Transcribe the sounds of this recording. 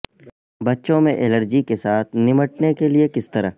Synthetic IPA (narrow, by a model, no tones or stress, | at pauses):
bɐtːʃõmẽʔɛləɾd͡ʒikesaːt̪̚ʰnɪməʈnekeliekɪst̪əɾa̰